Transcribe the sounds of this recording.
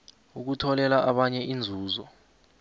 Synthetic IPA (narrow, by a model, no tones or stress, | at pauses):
uk̬utʰɔlɛlaʔaɓaɲɛʔind͡zʱuːzɔ